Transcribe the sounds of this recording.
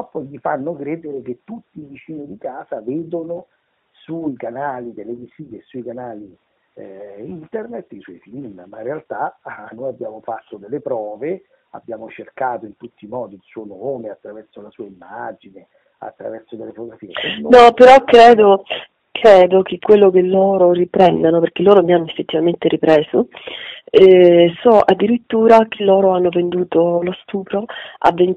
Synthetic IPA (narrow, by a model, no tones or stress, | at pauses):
t̪ɾɔpːɔʎːifanːokɾɛːd̪eɾek̟et̪ːut̪ːivit͡ʃiːnid̪ikaːz̥aveːd̪ono | suikanaːlit̪eleviz̥iːviesːuikanaːli | int̪ernet̪ːeiswɔ̰jfilmːmaĩnrealt̪anojabːjaːmofat̪ːod̪elːepɾɔːve | a̰bːjaːmot͡ʃerkaːt̪oint̪ut̪ːimɔːd̪ilsuonoːmeat̪ːɾavɛrsolasuːaimːad͡ʒine | a̰t̪ːɾa̰vɛrsod̪elːefot̪oɡɾafiːenɔpeɾɔkːɾɛːd̪o | kɾɛːd̪ok̟ekːwelːok̟elːoːɾoripɾɛnd̪onoperk̟elːoːɾomianːoefːet̪ːivament̪eɾipɾɛːzo | ɛsɔʔad̪ːiɾit̪ːuːɾak̟elːoːɾoanːovend̪uːt̪olost̪uːpɾoa̰vːen